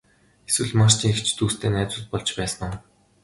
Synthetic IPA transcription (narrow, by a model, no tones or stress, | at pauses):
eswɘ̆ɮmart͡ɕ̪iːŋekt͡ɕʰt̪uːst̪ʰeːnæːt͡sʊːt̪̚pɔɮt͡ɕpæːsə̆nɔː